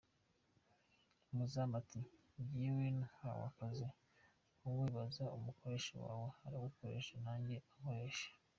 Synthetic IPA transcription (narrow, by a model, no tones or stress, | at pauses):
umuzamati | bɟiwinha̰wa̰kaze | uwiːβazaumukʰo̞ɾe̞ːʃo̰wa̰ːwehaɾaβakoɾe̞ʃanaːɲɟe̞akoɾeʃḁ